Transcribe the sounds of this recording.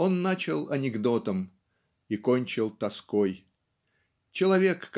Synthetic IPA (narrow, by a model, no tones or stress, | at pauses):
o̞nːat͡ɕɪlˠɐnʲɪɡd̪o̞t̪əm | iko̞nʲt͡ɕɪlˠt̪ɐskoj | t͡ɕɪlˠɐvʲekː